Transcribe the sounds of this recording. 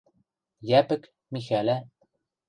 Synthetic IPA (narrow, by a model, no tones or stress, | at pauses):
jæpɘ̆k | mixælæ